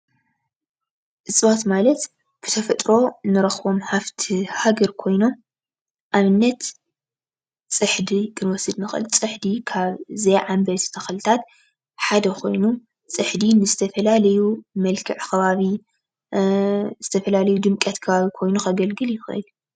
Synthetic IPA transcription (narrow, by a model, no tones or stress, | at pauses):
ʔɨsʼβot̪malɐt̪ | b̥ɨt̪ʰɐfɐt̪ʼɾo̞nɨɾɐxβo̞mħaft̪ʰihaɡɐɾkʰo̞jno̞m | ʔaβɨnːɐt̪ | t͡sʼɨħd̪ikʰɨnwɔsɨd̪nɨxʔɨ̰lt͡sʼɨħd̪ikʰaβzejʕambɐt̪t̪ʰɐxlɨt̪ʰat̪ | ħad̪ɐkʰo̞jnu | t͡sʼɨħd̪inɨzɨt̪ʰɐfɐlalɐjumɐlkʰɨʕkʰɐβaβi | z̥ɨt̪ʰɐfɐlalɐjud̪ɨmkʼɐt̪kʰɐβaβikʰo̞jnuxɐɡɐlɡɨljɪxʔɨ̰l